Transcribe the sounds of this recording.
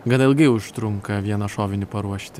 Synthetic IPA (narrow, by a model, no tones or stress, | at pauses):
ɡɐnɐɪlˠɡɐɪʊʃt̪ɾʊŋkɐʋʲiɛnɐʃoːʋʲɪnʲɪpɐɾuɔʃʲt̪ʲɪ